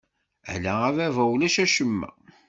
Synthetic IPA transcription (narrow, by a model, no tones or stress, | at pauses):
æ̰læævævæwlæʃæʃəmːæ̰